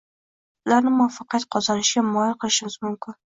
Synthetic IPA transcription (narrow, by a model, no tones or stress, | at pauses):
ʊlaɾnɪmʊɒfɑqʰat̪qʰɒzanɪʃɡʲamɒjɪlqʰɨlˠɪʃɪmɪz̥mʊmkʲʰɪn